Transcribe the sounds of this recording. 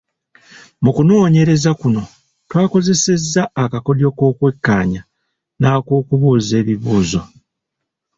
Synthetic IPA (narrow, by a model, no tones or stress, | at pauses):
mukuno̞ːɲe̞ɾe̞zakuno̞ | twaːko̞ze̞se̞zːaːkako̞ljo̞ko̞ːkwe̞kːaːɲa | naːkoːkuβuːze̞ːβiβuːzo̞